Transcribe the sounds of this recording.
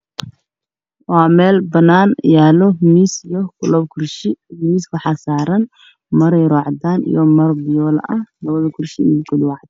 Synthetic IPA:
wɑːmɛːlbɐnːaːnjaːlɔmiːsijɔkʰʊlɔːb̚kʰʊrʃɪmiːswɑħɑːsaːɾɐn | mɐɾɛjrɔːʕd̪aːnḭjɔmɐrbɪjɔːlɐ̰ʔɐhlɐβɐðɐkʰʊrʃɪ̰ɛkʰʊɖʊwɑʕd̪ɛ

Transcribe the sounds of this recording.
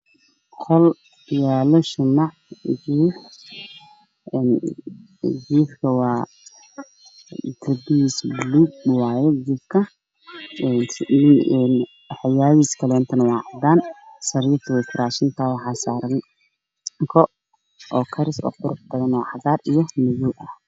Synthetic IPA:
kʰɔl | jaːlɔʃʊnaʕɡiːħ | ɛn | ɡiːfkʰɐwɑː | d̪ɐbisbluːɡ̚waːjɛɡiːfkʰɐ | nnɛn | ħɪjaːjiːskʰɐlɛːnt̪ʰɐnɐwɑːʕɑd̪aːnsɐɾiːft̪ʰɔwɛjkʰɪɾaːʃɪnt̪ʰaːwɑħɑːsaːɾɐŋ | ŋkʰɔ | ʔɔːkʰɐɾɪsɔ̰ːqʊɾʊħbɐðɐnwɔːʕɑðaːrijɔmɪjuːʔɐh

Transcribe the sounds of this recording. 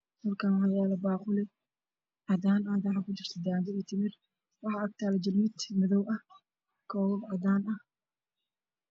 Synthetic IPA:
mɐrkʰaːwɑjaːlɐbaːqʊlɛ | ʕɑd̪aːnaːd̪aħɑkʰʊt͡ʃɪrt̪ʰɐd̪aːd̪ɪɛt̪ʰɪmɪr | wɑħɑɐɡ̚t̪ʰaːlɐd͡ʒɪlmɪd̪mɐðɔwʔɐh | kʰɔwwɐʕɑd̪aːnɐh

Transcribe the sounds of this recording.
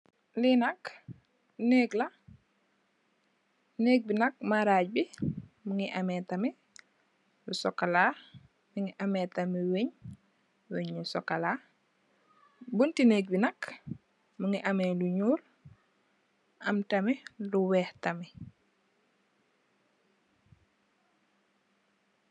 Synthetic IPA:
linɐk | neːɡlɐ | neːk̚binɐk̚maɾaːɟ̚bimuŋiʔamɛtɐmi | lusɔkːala | miŋiʔamɛtamiweɲ | weɲlusɔkːala | buntineːk̚binɐk | muŋiʔameluɲuːl | ʔɐ̰mtɐmiluwɛːhtɐmi

